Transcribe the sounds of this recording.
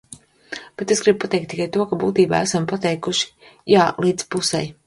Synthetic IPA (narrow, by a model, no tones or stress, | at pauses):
b̥et̪esɡɾib̚pat̪ɛk̚t̪ːikajt̪uɔkabuːt̪iːba̰ːæsampat̪ɛjkuʃi̥ | jaːlˠiːd̪z̥pusɛ̰j